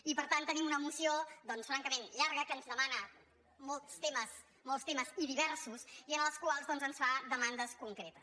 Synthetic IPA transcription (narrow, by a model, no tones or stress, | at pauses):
ipəɾt̪ant̪ːənimunəmusiod̪ɔnsfɾaŋkəmenʎaɾɣəkəːnzðəmanə | mɔlˠt̪st̪eməs | mɔlˠst̪eməziðiβɛɾsusiənəlˠskwalˠzðɔnzənsfaðəmand̪əskuŋkɾet̪əs